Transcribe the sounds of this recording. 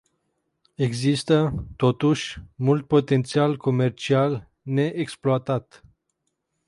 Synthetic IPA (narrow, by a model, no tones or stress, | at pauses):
e̞ɡzist̪ət̪o̞t̪uʃʲmult̪̚po̞t̪e̞nt̪sialko̞me̞rt͡ʃial | ne̞ʔeksploat̪at̪